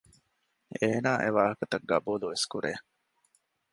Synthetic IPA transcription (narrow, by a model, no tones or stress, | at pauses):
eːnaːʔeʋaːɦɐkɐt̪ɐɡːɐ̰buːluʋeskuɾʔeː